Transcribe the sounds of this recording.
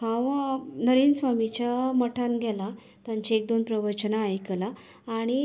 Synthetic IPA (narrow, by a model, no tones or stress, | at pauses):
hãnəɾinsʋamit͡ɕjaməʈʰanɡʱɛla | t̪jãɲt͡ɕiek̚d̪onpɾəʋət͡ɕənaːjklaː | ɽ̃i